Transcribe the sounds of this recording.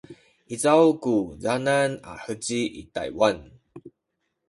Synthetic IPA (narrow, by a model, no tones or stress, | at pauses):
ʔit͡sawkuzanana̰hət͡ɕiʔḭt̪a̰jwan